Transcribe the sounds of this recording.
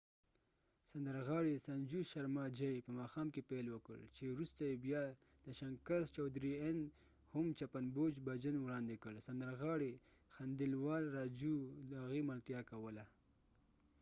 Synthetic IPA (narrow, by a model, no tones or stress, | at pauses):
sand̪əɾɣɑɽesand͡ʒuʃaɾmɑd͡ʒajpəmɑxɑmkepelwəkə̰ɭt͡ʃewɾust̪ajebjɑ | d̪̥əʃaŋkaɾt͡ʃɑwd̪ɾien | hʊmt͡ʃapanbod͡ʒbad͡ʒənwɽɑnd̪ekəlsand̪əɾɣɑɽe | xand̪ɪlwɑlɾɑd͡ʒud̪əaɣimalt̪jɑkawəla